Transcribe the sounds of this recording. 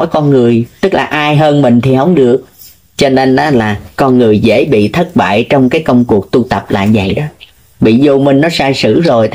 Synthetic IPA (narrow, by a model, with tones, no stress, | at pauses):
jkɔ˧nŋɨ˨˩əjt̪ɨ˦˥k̚laː˨˩ʔaː˧jɦəː˧nmï˨˩ŋ̟t̪ʰi˨˩hə˨˦wŋ͡mɗɨ˨˩ək̚ | t͡ɕɔ˧ne˧nʔaː˨˦laː˨˩kɔ˧nŋɨ˨˩əjzḛ˧˥ɓḭ˧˨t̪ʰə˦˥t̚ɓa̰ː˧˨jt͡ɕɔ˧wŋ͡mkaː˨˦jkə˧wŋ͡mku˨˩ək̚t̪u˧t̪ə˨˩p̚la̰ː˧˨˩zə̰˨˩jɗɔ˨˦ | ɓḭ˧˨zo˧mï˧ŋ̟nːɔ˨˦saː˧jsɨ̰˧˩˥zo˨˩j